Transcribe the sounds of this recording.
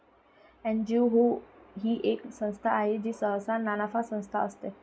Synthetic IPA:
ɛ̃nd͡ʑiɦoɦiːʔeksə̃w̃st̪ʰaːɦed͡ʑiːsəɦsananafasə̃w̃st̪ʰa̰əst̪e

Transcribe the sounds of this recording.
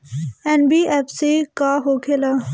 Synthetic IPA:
ɛnbiːʔɛpsekaɦokʰela

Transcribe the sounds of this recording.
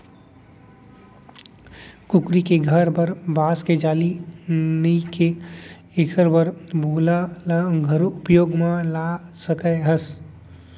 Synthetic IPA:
kʊkɾikeɡʱəɾbəɾbaːsked͡ʒaːlinəike | eːkʰəɾbəɾbʱoːlalɡʱəɾʊpjoːɡmãlasəkəeɦəs

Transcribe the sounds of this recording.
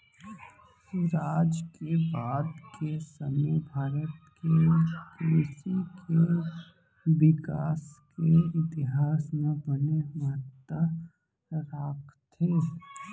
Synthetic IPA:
sʊɾaːd͡ʒkebaːd̪kesəməbʱaːɾət̪kekesikʰe | ʋɪkaːskeɪt̪ɪɦaːsmẽbənemət̪ːə | ɾaːkʰt̪ʰeː

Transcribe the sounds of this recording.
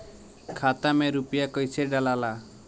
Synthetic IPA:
kʰat̪ameɾupijakɔjsʰeɖalala

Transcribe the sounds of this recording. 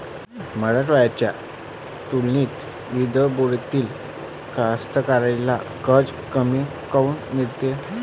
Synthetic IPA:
məɽəʈʋajat͡ɕja | t̪ulniːt̪ | ʋid̪əboɽt̪iːl | kast̪əkaɾajla̰ | kəd͡z | kəmi | kəunnilt̪e

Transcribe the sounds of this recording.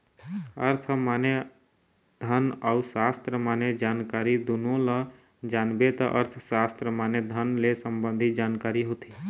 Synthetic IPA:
əɾt̪ʰmaːnje | d̪ʱənəʊsast̪ɾəmaːned͡ʒaːnkaɾid̪unõlə | d͡ʒaːnbet̪əʔə̰ɾt̪ʰsast̪ɾəmaːned̪ʱənlesəmbənd̪ʱid͡ʒaːnkaːɾiɦoːt̪i̥

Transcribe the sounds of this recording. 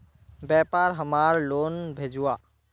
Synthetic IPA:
bɛpaːɾɦəmaːɾloːnbʱeːd͡ʒuaː

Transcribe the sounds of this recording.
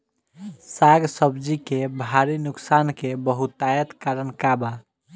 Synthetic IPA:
saɡsəbd͡ʒikebʱaɾinʊksankebəɦut̪ːajət̪kaɾənkaba

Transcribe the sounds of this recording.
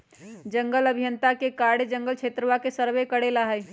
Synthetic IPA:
d͡ʒəŋɡələbʱijənt̪akekaɽed͡ʒəŋɡəlt͡ʃʰet̪ɾəʋakesəɾʋekəɽelaɦəj

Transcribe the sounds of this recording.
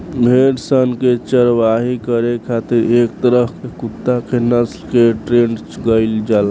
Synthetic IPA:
bʱeʈsənket͡ʃəɾʋaɦikəɾekʰat̪iɾek̚t̪əɾəɦkekut̪ːakenəslkeʈɾeɳɖ | ɡəɪld͡ʒal

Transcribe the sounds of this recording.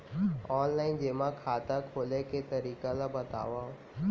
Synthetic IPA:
ɔːnlaːɪnd͡ʒeːmãkʰaːt̪akʰoːleket̪ɐɾiːkalabɐt̪a̰ːʋao

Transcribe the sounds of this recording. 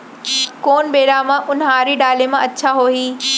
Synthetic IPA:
koːnbeːɽamãʔʊnɦaːɾiɗaːlemãɐtːɕʰaɦoːɦiː

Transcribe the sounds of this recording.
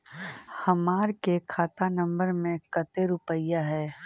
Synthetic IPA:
hɐmaːɾkekʰaːt̪anɐ̃mbəɾmẽkɐt̪eɾʊpəjaɦɛː

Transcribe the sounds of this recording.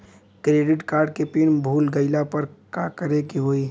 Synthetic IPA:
kɾeːɖɪʈkaːɾɖ̚kepɪnbʱuːlɡəɪlapɐɾkakəɾekiɦoːi

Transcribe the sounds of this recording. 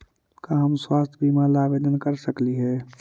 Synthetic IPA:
kaɦɐmswaːst̪ʰbiːmaːlaːʋeːd̪ənkɐɾsɐkliɦɛː

